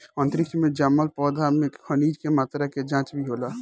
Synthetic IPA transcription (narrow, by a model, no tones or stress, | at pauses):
ə̃nt̪əɾɪkʰmẽd͡ʒamːəlpɔːd̪ʱamẽkʰəniːd͡ʒkemaːt̪ɾaked͡ʒãːt͡ʃbʱiɦoːla